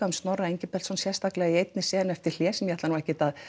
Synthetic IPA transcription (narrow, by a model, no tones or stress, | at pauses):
aʏmst̪nɔraejɲcɪpɛlsɔnsjɛ̥st̪aklɛɣaiejt̪nɪsɛːðɪnɛft̪ɪɾ̥l̥jɛːsɛnmjhat̪lanuːɛhcɪt̪að